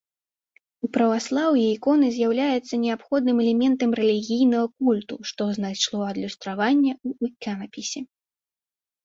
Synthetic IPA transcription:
upɾɐvaslˠawjɛikɔnɨzʲjawlʲajɛt̪sːɐnʲɛapxɔd̪nɨmɛlʲɛmʲɛnt̪ɐmrɛlʲiɣʲijnɐɣɐkulʲt̪uʂt̪ɔznajʂlˠɔɐd̪lʲust̪ɾavanʲːɐuikʲanɐpʲisʲɛ

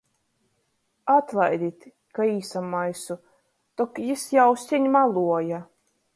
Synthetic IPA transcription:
at̪lˠajd̪ʲit̪ʲ | kaiːsamːajsu | t̪ɔkjisjawsʲiɲmalˠuɔja

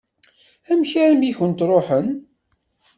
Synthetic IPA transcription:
æmçæɾmiçənt̪ɾˤoħən

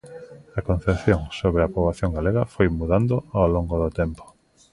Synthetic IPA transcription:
ɐkon̟θepθjoŋsoβɾeapɾoβaθjoŋɡaleɣɐfojmuðand̪oawloŋɡoðʊt̪empo̥

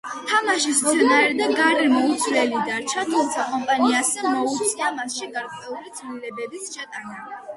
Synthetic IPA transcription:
t̪ʰamaʃisɔɛnaɛɾd̪aɡaɾɛmɔut̪sʰlɛlid̪aɾt͡ʃʰat̪ʰumt̪sʰakʼɔmpʼaniasɛmɔut̪ʰsʰnamasʃiɡaɾqʼwɛulid̪zlilɛbɛbisʃat̪ʼana

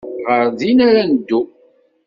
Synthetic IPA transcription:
ʁəɾðinaɾanəd̪ːu

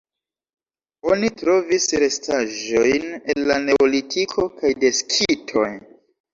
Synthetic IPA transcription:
o̞nitɾo̞visɾe̞staʒo̞jnenlane̞olitʰikʰo̞kajdeskʰitʰo̞̰j

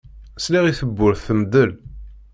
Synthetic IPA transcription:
sliʁiθəbːʊɾθθəmd̪əl

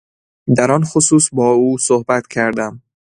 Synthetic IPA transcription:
d̪æɾɒːnxosuːsbɒːuːsohbæt̪cʰæɾd̪æm

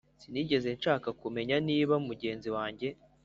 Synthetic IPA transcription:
siniɟe̞ze̞nʃaːkakume̞ɲaniːβaumuɟe̞ːnziwaːɲɟe̞

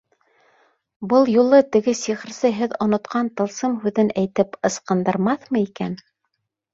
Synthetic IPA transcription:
bɤlˠjulˠɤt̪ɘ̆ɡɘsiχɾsɤɦɘðŏnŏt̪qʰɑnt̪ɤ̆lˠsɤmɦʉðɘnæjt̪ɘpɤ̆sqɤ̆nd̪ɤ̆ɾmɑθmɤikæ̰n

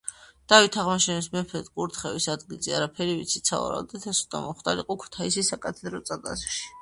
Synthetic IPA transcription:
d̪̥avit̪ʰaʁmaʃɛnismɛpʰɛt̪ɡʼuɾt̪ʰχɛvisad̪ɡilziaɾapʰɛɾivḭt̪sʰit̪sʰa̰va̰ɾa̰d̪ɛt̪ʰɛsu̥t̪ʼa̰mɔχd̪ʼaɾiqʼɔkʰu̥t̪ʰaisisakʼat̪ʰɛd̪ɾɔt̪sʼad̪ʼa̰swʃi̥

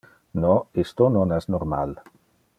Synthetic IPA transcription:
nɔest̪onɔnɛznoɾma̰l

